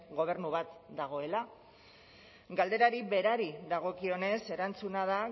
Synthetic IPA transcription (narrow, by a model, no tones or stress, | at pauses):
ɡo̞β̞e̞ɾnuβat̪d̪aɣ̞o̞e̞la | ɡald̪e̞ɾaɾiβe̞ɾaɾiðaɣ̞o̞kio̞ne̞se̞ɾant͡sunað̞a